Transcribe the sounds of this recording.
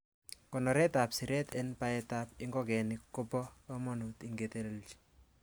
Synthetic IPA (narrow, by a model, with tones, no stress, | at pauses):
kɔ˨nɔ˨ɾɛ˦ta˨psi˨ɾɛ˦tɛ˦npa˦ɛ˦ta˦pɪ˦ŋɡɔ˦kɛ˨nɪkːo˦pɔ˦ɔ˦mɔ˦nu˨t̪ɪ˦ŋɡet̪e˦le˦lt͡ʃi̥